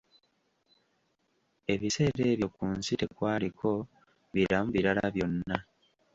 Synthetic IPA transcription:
e̞βise̞ːɾe̞ːβjo̞kuːnsitekwaːlikʰo̞ | βiɾamuβiɾala̰βjo̞nːa

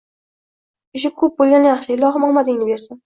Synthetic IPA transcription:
ɪʃ̬ɪkʰɵp̚bolʲˠɡʲanajɑχʃɪɪlɒʁɨmɒlˠmad̪ɪŋnɪbe̞ɾsɪn

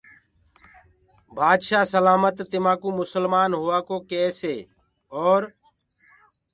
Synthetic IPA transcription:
bʱaːd̪ʃaːsəlaːmət̪ːɪmãːkũːmʊsəlmaːnɦʊaːkoːkeːseː | ɔːɾ

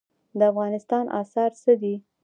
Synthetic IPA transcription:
d̪əafɣɑnɪst̪ɑnʔɑ̰sɑɾsəd̪i

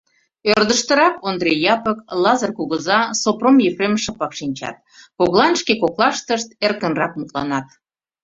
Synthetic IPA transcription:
ørd̪əʃt̪ə̆ɾɑkond̪rejɑpəklɑzərkuɣəzɑsopromjefremʃəpɑkʃinʲt͡ɕɑ̰t̪̚koɣlˠɑnʃkekoklɑʃt̪əʃt̪erkənrɑk̚mut̪lɑ̰nɑt̪̚

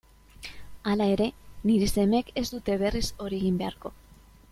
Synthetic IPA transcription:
alae̞ɾe̞niɾise̞me̞ke̞zd̪ut̪e̞β̞e̞riso̞ɾieɣ̞imbe̞aɾko̞

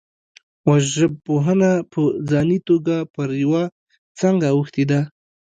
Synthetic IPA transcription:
waʒəb̚poɦənapʰəzɑnit̪oɡapəɾjawa | t͡səŋɡaːwəxt̪ed̪a

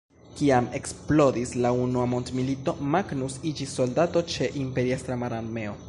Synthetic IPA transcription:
kiame̞ksplo̞dislaunuamo̞ntmilito̞maɡnusid͡ʒisːo̞ldato̞t͡ʃe̞ʔimpe̞ɾiest̪ɾamaɾanme̞o̞

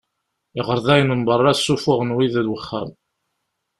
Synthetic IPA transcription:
ɪʁəɾðˤæjnəmbərˤːɑsːufʊʁənwiðəɾwəχːæ̰m

